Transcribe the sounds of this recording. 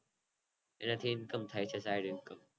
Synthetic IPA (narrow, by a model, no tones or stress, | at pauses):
ɛ̰nat̪ʰinkəmt̪ʰajt͡ʃʰɐsajɾɯnkəm